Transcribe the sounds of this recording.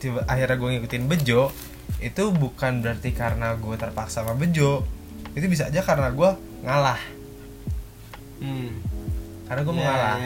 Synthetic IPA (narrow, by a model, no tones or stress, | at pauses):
t̪ʔaɦiɾɲaɡuaŋikut̪iɪnbəd͡ʒɔ | it̪ubukanbəɾart̪ikaɾənaɡuat̪ərpaksamabəd͡ʒo | it̪ubis̬aːd͡ʒakaɾənaɡua | ŋalah | kaɾənaɡuaməŋala